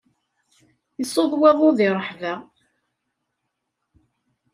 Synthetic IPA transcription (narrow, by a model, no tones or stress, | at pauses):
jəsˤoðˤweðˤoðɪɾˤəħvæ